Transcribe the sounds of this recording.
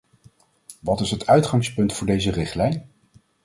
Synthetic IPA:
ʋɑtɪsɦətœɥtχɑŋspɵntfʊːɹdejzərɪχtlɛjn

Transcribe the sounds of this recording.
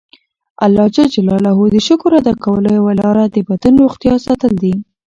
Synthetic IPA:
alːɑd͡ʒad͡ʒalɑlaɦud̪əʃʊkʊɾad̪akawələjwalɑɾad̪əbat̪ənɾoxt̪jɑsɑt̪əld̪i

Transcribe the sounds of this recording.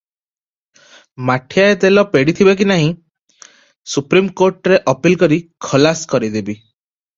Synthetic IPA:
maʈʰijaet̪elɔpeɽit̪ʰibak̬inaɦĩ | supɾimkoɾʈɔɾeʔɔpilkɔɾikʰɔlaskɔɾid̪ebi

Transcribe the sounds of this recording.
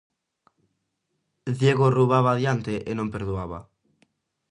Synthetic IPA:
ðjeɣoruβaβaðjant̪eʔɪnõmpeɾðuaβa̰

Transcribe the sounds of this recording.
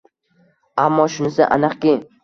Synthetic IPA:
amːɒʃʊnɪsɪʔa̰nɨqkʲɪ

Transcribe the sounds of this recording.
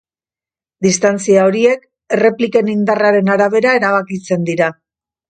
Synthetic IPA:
d̪ist̪ant͡siao̞ɾie̞k | e̞re̞plike̞nind̪araɾe̞naɾaβ̞e̞ɾae̞ɾaβ̞akit͡se̞nd̪iɾa

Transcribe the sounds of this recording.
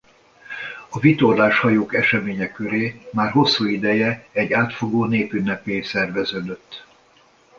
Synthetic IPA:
ɒvit̪o̞rlaːʃhɒjoːkɛʃɛmeːɲɛkːøɾeːmaːrɦo̞sːuːid̪ɛjɛɛɟːaːt̪fo̞ɡoːneːpynːɛpeːsɛrvɛzøːd̪ø̞t̪ː

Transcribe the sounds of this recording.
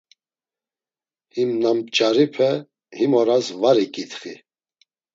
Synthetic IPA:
himnamt͡ʃʼaɾipʰɛ | himɔɾasvaɾikʼit̪χi

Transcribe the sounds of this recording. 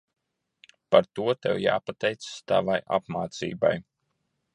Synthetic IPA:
paɾt̪uɔt̪ɛ̰wjaːpat̪ɛjt̪sḁst̪a̰vajʔa̰pmaːt̪sḭːba̰j

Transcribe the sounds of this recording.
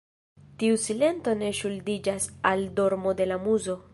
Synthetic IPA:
tiusile̞nto̞ne̞ʃuldid͡ʒasaldo̞ɾmo̞de̞lamuzo̞

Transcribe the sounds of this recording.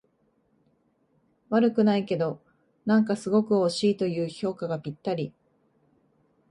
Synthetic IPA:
βaɾɯ̟kɯ̟naike̞d̪o̞ | nãŋkasɨɡo̞kɯ̟oɕiːt̪o̞jɯ̟ːço̞ːkaɡapʲit̪ːaɾʲi

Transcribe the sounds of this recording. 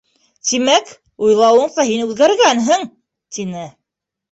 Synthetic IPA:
t̪imæk | ujlˠɑwɤ̆ɴsɑɦinʉðɡæɾɡænɦɘŋ | t̪inɘ

